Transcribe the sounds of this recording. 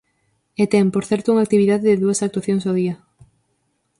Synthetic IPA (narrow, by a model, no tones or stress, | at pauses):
et̪ɛmpoɾθɛɾt̪ouŋak̚t̪iβiðaðeðɪðuɐsak̚t̪waθjoŋsað̞iɐ